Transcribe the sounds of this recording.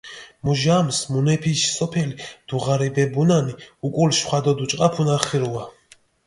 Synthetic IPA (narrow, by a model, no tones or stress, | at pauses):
muʒamsmunɛpʰiʃsɔpʰɛlid̪̥uʁaɾɛbɛbunaniukʼulʃχwad̪ɔd̪ut͡ʃʼqʼapʰunaɾχiɾua